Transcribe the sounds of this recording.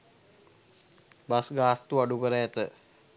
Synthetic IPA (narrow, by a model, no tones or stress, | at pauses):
basɡaːst̪uaɖukəɾəɛt̪ə